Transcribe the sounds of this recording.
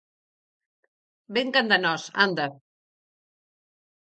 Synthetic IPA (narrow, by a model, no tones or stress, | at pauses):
beŋkand̪anɔsa̰nd̪a